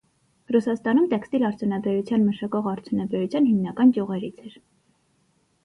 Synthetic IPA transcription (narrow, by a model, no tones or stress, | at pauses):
rusɑst̪ɑnumt̪ɛkst̪ilɑɾt͡sʰjunɑbɛɾut͡sʰjɑnməʃɑkɔʁɑɾt͡sʰjunɑbɛɾut͡sʰjɑnhimnɑkɑnkjuʁɛɾit͡sʰɛɾ